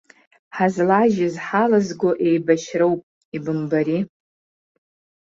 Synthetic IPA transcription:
ħazlaʒɪzħalazɡʷoʔejbaʃrowpʼ | ibɨmbaɾi

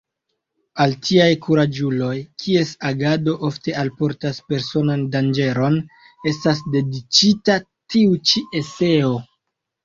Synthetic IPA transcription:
altʰiajkʰuɾad͡ʒulo̞jkʰie̞saɡado̞ʔo̞fte̞alpo̞ɾtaspe̞ɾso̞nandand͡ʒe̞ɾo̞n | e̞stas̬de̞dit͡ʃita | tiut͡ʃiʔe̞se̞o̞

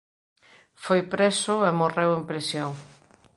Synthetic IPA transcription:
fojpɾesʊemorewempɾesjoŋ

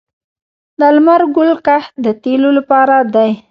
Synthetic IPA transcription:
d̪əalmaɾɡʊlkahd̪ət̪elolapɑɾad̪aj

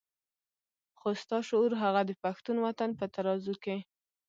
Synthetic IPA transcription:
xost̪ɑʃʊuɾɦaɣad̪əpaxt̪unwat̪anpət̪aɾɑzuke

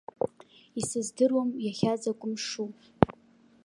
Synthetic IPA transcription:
isɨzdɨrwamjaχʲazakʷʼʊmʂu

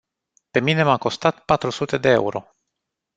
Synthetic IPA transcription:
pe̞mine̞mako̞st̪at̪pat̪ɾusut̪e̞d̪e̞ḛuɾo̞̰

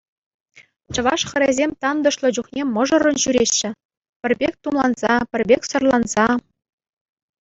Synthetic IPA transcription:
t͡ɕɤ̆ʋɑ̰ʂχɤ̆ɾʲezʲemʲt̪ɑnd̪ɤ̆ʂlˠɤ̆d͡ʑuχnʲemɤ̆ʐɤ̆rɤ̆nɕyɾʲeɕːɘ̆ | pʲɘ̆rʲbʲek̚ʲt̪umlˠɑnz̥ɑpʲɘ̆rʲbʲekʲsɤ̆rlˠɑnz̥ɑ

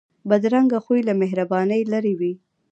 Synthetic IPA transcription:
bad̪ɾaŋɡaxujlameɦɾabɑnəjlaɾiwi

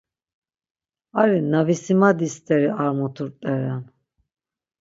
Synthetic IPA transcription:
aɾinavisimad̪ist̪ʼɛɾiaɾmɔt̪ʰuɾt̪ʼɛɾan

